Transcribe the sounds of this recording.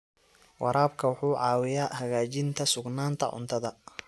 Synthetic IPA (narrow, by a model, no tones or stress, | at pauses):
wʔɑ̰ɾʔaːbkʰɐwʊħuːʕɑːwɪjaːhɐɣaːt͡ʃɪnt̪ʰɐsʊɡnaːnt̪ʰɐ̰ʕʊ̰nt̪ʰɐðɐ